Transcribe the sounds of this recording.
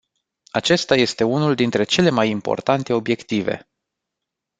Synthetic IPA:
at͡ʃe̞st̪aje̞st̪e̞unuld̪int̪ɾe̞t͡ʃe̞le̞majimpo̞̰rt̪ant̪e̞o̞bje̞kt̪ive̞̰

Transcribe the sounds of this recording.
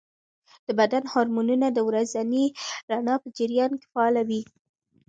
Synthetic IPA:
d̪̥əbad̪anhɑɾmununad̪əwɾazaniɾanɑpəd͡ʒɪɾjɑnke̥fɑːlawi

